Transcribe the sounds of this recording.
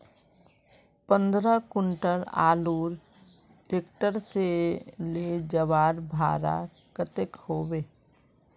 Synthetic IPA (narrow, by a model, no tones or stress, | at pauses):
pə̃nd̪ɾəkʊɳʈəɾa̰ːluːɾ | ɖeːk̚ʈəɾseled͡ʒəʋaːɾbʱa̰ːɾa̰ | kət̪ekhoːbeː